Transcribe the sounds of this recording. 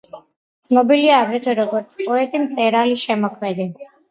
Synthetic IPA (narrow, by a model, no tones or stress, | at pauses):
d̪sʰnɔbiliaːɡɾɛt̪ʰwɛɾɔɡɔɾt̪sʰpʼɔɛt̪ʼimt̪sʼɛɾaliʃɛmɔkʰmɛd̪i